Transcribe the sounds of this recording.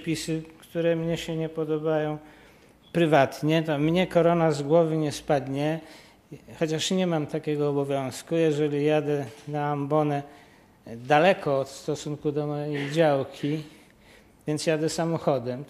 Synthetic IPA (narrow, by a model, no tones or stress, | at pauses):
pʲisɘkt̪uɾɛmɲɛɕɛɲɛpɔd̪ɔbajɔ̃w̃ | pɾɘvat̪ɲɛt̪ɔmɲɛkɔɾɔnazɡwɔvɘɲɛspad̪ɲɛ | xɔt͡ɕaʂɲɛmamt̪akʲɛɡɔːbɔvʲjɔ̃w̃skujɛʐɛlʲijad̪ɛnaːmbɔnɛ | d̪alɛkɔːt̪st̪ɔsuŋkud̪ɔmɔjejd͡ʑawkʲi | vʲjɛnt̪sjad̪ɛsamɔxɔd̪ɛm